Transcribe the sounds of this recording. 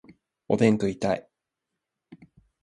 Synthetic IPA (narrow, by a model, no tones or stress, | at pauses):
o̰t̪ẽ̞ŋkɯ̟it̪ai